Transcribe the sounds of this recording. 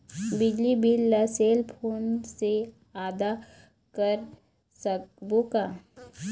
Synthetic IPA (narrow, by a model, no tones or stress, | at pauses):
bɪd͡ʒlibɪlːəseːlpʰoːnse | aːd̪a | kəɾ | səkbuka